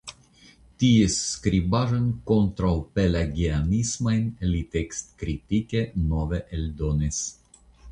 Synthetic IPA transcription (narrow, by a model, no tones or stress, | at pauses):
t̪ieskɾibaʒonkont̪ɾawpelaɡianismajnlit̪ekst̪kɾit̪ikenoveʔeld̪onis